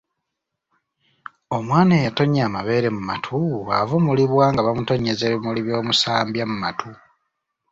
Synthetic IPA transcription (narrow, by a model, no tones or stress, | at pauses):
o̞mwaːneːjato̞ɲaːmaβe̞ːɾe̞muma̰tʰuɣavomuliβwaːŋɡaβamuto̞ɲezeːβimuliβjo̞ːmusaːmbjamumatʰu